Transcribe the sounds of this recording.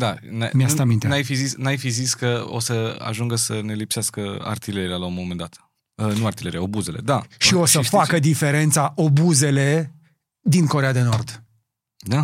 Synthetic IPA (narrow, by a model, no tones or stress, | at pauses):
d̪anameast̪amint̪enajfizisnajfiziskəo̰səa̰ʒuŋɡəsəne̞lipseaskəa̰rt̪ileɾialaunmomend̪at̪ | ənuaɾt̪ile̞ɾiao̞buze̞le̞̰d̪aʃio̞səfakəd̪ife̞ɾe̞nt̪saʔo̞buze̞le̞ | d̪inkoɾead̪e̞no̞rd̪ | d̪a